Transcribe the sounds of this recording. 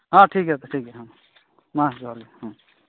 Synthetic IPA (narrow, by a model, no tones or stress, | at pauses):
ɦãːʈʰiːkɦɛt̪oʈʰiːkɦɛɦãː | mãːsɡaːɾɡehãː